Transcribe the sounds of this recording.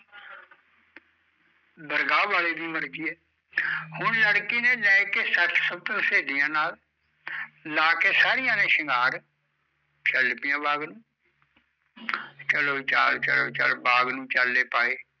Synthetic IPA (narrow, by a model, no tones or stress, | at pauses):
b̪əɾɡaːʋaːleːd̪iːməɽkiːɛː | hʊɳləɽkiːneːlɛːkeːsət̪ʰsəb̚t̪ɾseːd̪ɪjãːnaːl | aːkeːsaːɾɪjãːnẽːʃɪŋɡaːɾ | t͡ʃəlpɪjãːbaːɡnũː | t͡ʃəloːt͡ʃat͡ʃəloːt͡ʃə̰lbaːɡnũːt͡ʃəlːeːpaːeː